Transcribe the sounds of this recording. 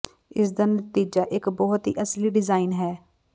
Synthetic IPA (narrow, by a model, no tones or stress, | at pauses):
ɪs̬d̪ənət̪iːd͡ʒaːʔɪkbɔːt̪ɦḭːʔəsliːɖɪzaːinɦɛː